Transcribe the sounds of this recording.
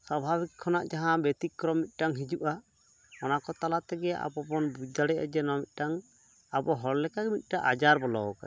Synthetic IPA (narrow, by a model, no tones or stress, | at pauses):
sɔbʱabikʰːɔnaʔd͡ʒaɦãbɛt̪ikːɾɔmːit̪̚ˀʈaŋɦid͡ʒuʔa | ɔnakɔt̪alat̪ɛɡɛa̰bɔbɔnbud̪aɽɛʔa̰d͡ʒɛnɔmit̪̚ˀʈaŋ | abɔɦɔɽlɛkaɡɛmit̪̚ˀʈaʔad͡ʒaɾbɔlɔka̰